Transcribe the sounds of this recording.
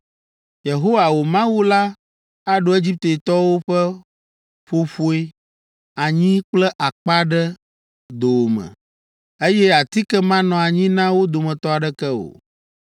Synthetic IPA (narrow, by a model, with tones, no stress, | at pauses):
je˨ɦo˦wa˨wo˨mã˦wu˦la˦ | a˦ɖo˨˦e˦d͡ʑi˦p̚t̪e˨e˨t̪ɔ˦wo˦ɸɛ˦ | ɸo˦ɸo˦e˦ | a˨ɲĩ˦k͡plɛ˦ʔa˨k͡pa˦ɖɛ˦ | d̪o˨wo˨mɛ̰̃˨ | e˦jɛ˦a˨t̪i˦kɛ˦mã˦nɔ̃˨a˨ɲĩ˦nã˦wo˦d̪o˨mɛ̃˨t̪ɔ˦a˨ɖɛ˦kɛ˦o̰˨